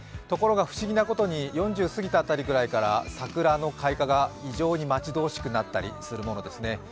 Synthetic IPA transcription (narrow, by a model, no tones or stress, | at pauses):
t̪o̞ko̞ɾo̞ɡaɸɯ̟̥ɕiɡʲinako̞t̪o̞ɲ̟ijõ̞ɲ̟d͡ʑɨːsɨɡʲit̪at̪ːaɾʲiɡɯ̟ɾaikaɾa̰sakɯ̟ɾano̞kʰaikaɡaiʑo̞ːɲ̟imat͡ɕid̪o̞ːɕi̥kɯ̟nat̪ːaɾʲḭsɨɾɯ̟mo̞no̞d̪e̞sɨne̞